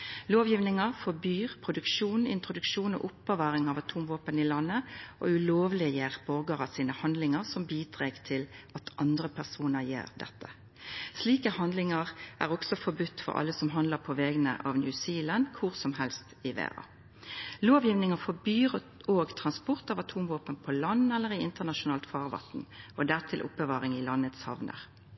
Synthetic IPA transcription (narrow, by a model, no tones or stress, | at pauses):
loːʋjiːʋnɪŋɑfɔbyːʁpʰʁʊd̪ʉkʃuːnɪ̰nt̪ʁʊd̪ʉkʃuːnɔ̰ʔʊpːəʋɑːʁɪŋɑʋɑt̪ʰuːmʋoːpənɪlɑnːəʔo̰ʉloːʋlɪəjeːʁb̥ɔʁɡɑʁɑsiːnəhɑnd̪lɪŋəʁsɔmbiːd̪ʁeːɡt̪ʰɪlɑt̪ʰɑnd̪ʁəpʰæʁsuːnəʁjḛːʁd̪ɛ̰t̪ʰːə̥ | sliːkəhɑnd̪lɪŋɑʁʔæ̰ʁɔɡsɔfɔbʉt̪ːfɔ̰ʁʔɑ̰lːəsɔmɦɑnd̪ləpʰɔʋɛːɡənə̰ʔɑ̰ʋnjʉsiːlənkʰʊʁsɔmɦɛlst̪ɪʋḛːʁɑ̰ | loːʋjiːʋnɪŋəfɔbyːʁ | oːɡt̪ʰʁɑnspʊʁt̪ɑʋɑt̪ʰuːmʋoːpənpʰɔlɑnːɛlːəʁɪɪnt̪əʁnɑʃʊnɑːlt̪fɑːʁʋɑ̰t̪nɔd̪æʁt̪ʰɪlʔʊ̰pːəʋɑːʁɪŋɪlɑnːət̪shɑ̰ʋnə̰ʁ